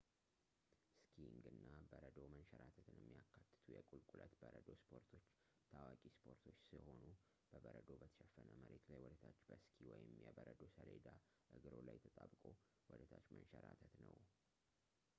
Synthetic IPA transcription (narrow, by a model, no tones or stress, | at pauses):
skʰiŋɡɨnːabəɾəd̪omənʃəɾat̪ʰət̪ʰɨnjɛmːijakʰːat̪ːɨ̥t̪ʰujɛkʼulkʼulət̪bəɾəd̪o̞spʰo̞ɾt̪ʰo̞t͡ʃː | t̪ʰawakʼispʰo̞ɾt̪ʰo̞t͡ʃːsiho̞nu | b̥əbəɾəd̪o̞bət̪ʰə̥ʃɛfːənəməɾet̪lajwɔd̪ət̪ʰat͡ʃːbəskʰiwɔjɪmjɛbəɾəd̪osəled̪a | ʔɨɡɨɾo̞lajt̪ʰət̪ʼabkʼo | wɔd̪ət̪ʰat͡ʃːmənʃəɾat̪ʰət̪nəw